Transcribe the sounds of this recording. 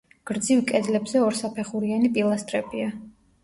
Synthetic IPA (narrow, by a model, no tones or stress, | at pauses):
ɡ̥ɾd̪zivkʼɛzlɛbzɛɔɾsapʰɛχuɾianipʼilˠast̪ʼɾɛbia